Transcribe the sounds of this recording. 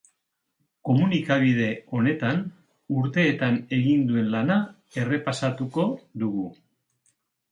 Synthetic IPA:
ko̞munikaβ̞ið̞e̞o̞ne̞t̪an | uɾt̪e̞ːt̪ane̞ɣind̪ue̞nlana | e̞re̞pasat̪uko̞ðuɣu

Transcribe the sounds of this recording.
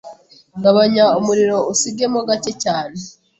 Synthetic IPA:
ɡaβaɲaumuɾiɾo̞usiɡe̞moɡace̞caːne̞

